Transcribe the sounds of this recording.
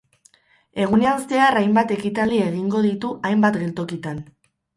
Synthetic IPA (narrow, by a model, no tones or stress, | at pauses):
e̞ɣuneast̪e̞arajmbat̪e̞kit̪ald̪ie̞ɣ̞iŋɡo̞ðit̪uʔajmbat̪ɡe̞lt̪o̞kit̪an